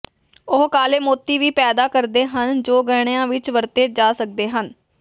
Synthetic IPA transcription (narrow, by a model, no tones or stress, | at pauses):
ʊɦkaːleːmoːt̪ːiːʋiːpɛːd̪aːkəɾd̪eːɦənd͡ʒoːɡɛːɽ̃ejãːʋɪt͡ʃʋəɾt̪eːd͡ʒaːsək̚d̪eːɦən